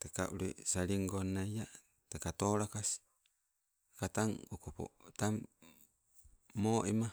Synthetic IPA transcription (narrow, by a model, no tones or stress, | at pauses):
teka̰ʔuɾḛsaɾiŋɡonːaja | tekatoɾakasi̥ | kataŋokopo̰tam | oʔima